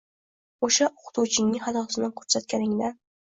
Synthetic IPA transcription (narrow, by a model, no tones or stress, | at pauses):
oʃaʔoqʊ̥t̪ʰut͡ʃʰɪŋnɪhad̪ɒsɪnankʲʰɵ̥ɾsat̪̚kʲanɪŋd̪a